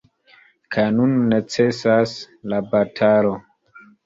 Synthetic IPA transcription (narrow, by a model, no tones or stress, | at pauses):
kʰajnunːet͡se̞sas | labatʰalo̞